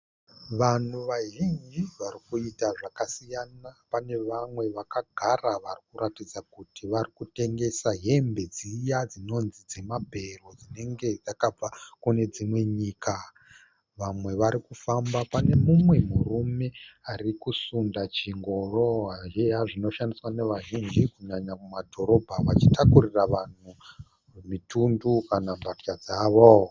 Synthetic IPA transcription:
ʋan̤uʋaʒind͡ʒiʋarikuitaʐakasijanapane̞ʋamwe̞ʋakaɡʱaraʋarikuɾatid͡zakutiʋarikute̞ŋɡe̞saɦe̞mbe̞d͡zijad͡zino̞nzid͡ze̞mabʱe̞ro̞d͡zine̞ŋɡe̞d͡zakab͡vakune̞d͡zimwe̞ɲiːka | ʋamwe̞ʋaɾikufambapane̞mumwe̞murume̞arikusundat͡ʃiŋɡo̞roaɦejaʐino̞ʃandiswane̞ʋaʒind͡ʒikuɲaɲakumadʱo̞ɾo̞bʱaʋat͡ʃitakuriraʋan̤u | mitundukanabʱart͡ʃad͡zaːʋo

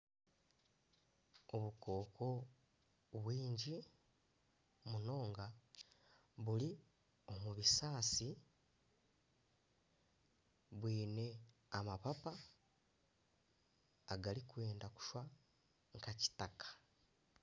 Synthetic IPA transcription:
o̞βuko̞ːkʰo̞ | βwiːɲɟi | muno̞ːŋɡa | βuli | o̞muβisaːsi | βwiːne̞ | amapapa | ɡalikwe̞ːndaku̥ʃwa | ŋkaci̥takʰḁ

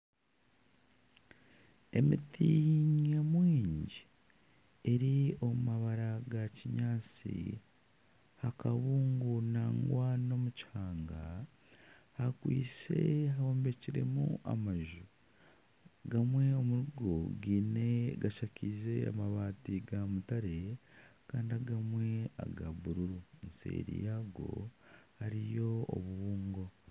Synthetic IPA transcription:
e̞mitiɲamwiːɲɟi | e̞ɾio̞mumaβaɾaɡaciɲaːt͡sḭ | hakaβuːŋɡunaːŋɡwano̞mucaːŋɡa | hakwḭːt͡se̞̰ɦaoːmbe̞ciɾe̞̰mṵʔa̰maʒu | ɡamwe̞o̞muɾuɡo̞ɡine̞ɡaʃacʰize̞a̰maβaːtiɡamutaɾe̞kaːndiaɡamwe̞a̰ɡaβuɾuɾunsḛːɾḭjaɡo̞̰haɾijo̞o̰βuβuːŋɡo̞

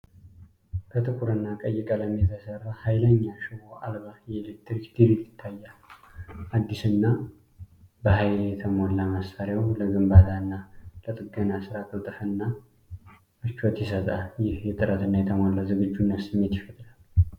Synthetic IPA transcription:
kʰət̪ʰɨkʰʼuɾɨnːakʼəjːɪkʼələmjɛt̪ʰəsərːahajləɲːaʃɨwoʔa̰lβajɛːlek̚t̪ɾikd̪̥iɾilɪt̪ʰːajːal | ʔad̪ːisɨnːa | bəhajljɛt̪ʰəmolːamasaɾjawləɡɨmbat̪ʰanːalət̪ʼɨɡənasɨɾat̪lət̪ʼɨfɨnːa | mɨt͡ʃːot̪jɛsət̪ʼajɪhjɛt̪ʼɨɾət̪ɨnːajɛt̪ʰəmolːawzɨɡɨd͡ʒːunːət̪sɨmːe̞t̪jɪfət̪ʼlalː

